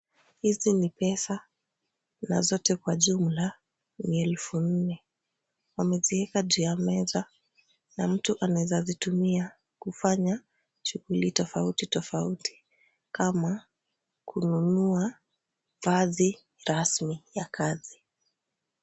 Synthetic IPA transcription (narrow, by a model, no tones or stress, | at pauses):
hizinipɛsa | na̰zɔtɛkwaʄumla | miɛlfun̩nɛ | wamɛziɛkaʄuamɛza | nam̩tuʔanawɛzazitumia | kufaɲa | ʃuɣulitɔfautitɔfautʰi̥ | kama | kʰununua | vazi | ɾasmijakazi